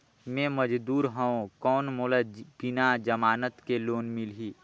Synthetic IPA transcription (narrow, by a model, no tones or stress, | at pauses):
mɛ̃məd͡ʒd̪uːɾɦə̃õkɔːnmoləb̥ɪnad͡ʒəmaːnət̪keloːnmɪlɦiː